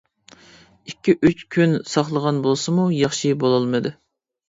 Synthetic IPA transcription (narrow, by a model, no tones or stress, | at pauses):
ikʲːiʔyt͡ʃkʲʰynsɑχlˠəʁɑnbolˠsɨmujɑχʃibolˠɨlˠmɨd̪u